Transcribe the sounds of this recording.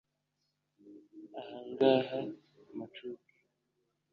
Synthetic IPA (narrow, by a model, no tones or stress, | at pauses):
ahaŋɡaɦamat͡ʃuki̥